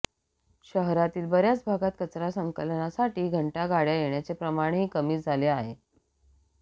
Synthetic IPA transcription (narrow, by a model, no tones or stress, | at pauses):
ɕəɦɾat̪iːlbəɾjat͡sbʱaɡat̪̚kət͡sɾasəŋkəlnasaʈiːɡʱəɳʈaɡaɽjajeɳjat͡sepɾəmaɽ̃ɦiːkəmiːd͡zʱaleaɦe